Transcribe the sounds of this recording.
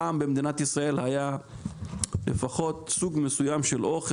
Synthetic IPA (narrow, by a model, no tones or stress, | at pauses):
aːmbemd̪inat̪isʁae̞lhaja | lḛfaχo̞t̪suɡmesujamʃelʔo̞χ